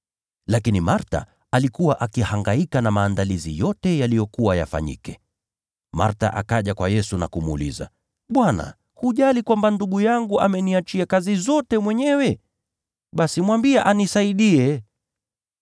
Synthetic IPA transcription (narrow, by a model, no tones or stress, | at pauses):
lakinimaɾta̰ | alikuwaʔakihaŋɡaikanamaːndalizḭjɔtɛjalijɔkuwaja̰fa̰ɲḭkɛ | ma̰ɾta̰ʔakaʄakwajɛsuna̰kumṵlḭza̰ | ɓwana̰ | huʄalikwambanduɠujaŋɡuʔamɛniat͡ʃiakazizɔtɛmwɛɲɛwɛ | ɓasimwambiaʔanisaiɗiɛ